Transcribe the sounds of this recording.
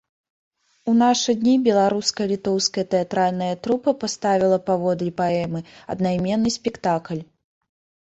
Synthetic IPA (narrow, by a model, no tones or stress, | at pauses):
unaʂɨd̪ʲnʲibʲɛlˠaɾuskɐjɐlʲit̪ɔwskɐjɐt̪ɛat̪ɾalʲnɐjɐt̪ɾupɐpast̪avʲilˠɐpavɔd̪lʲipaɛmɨɐ̰d̪najmʲɛnːɨsʲpʲɛkt̪aklʲ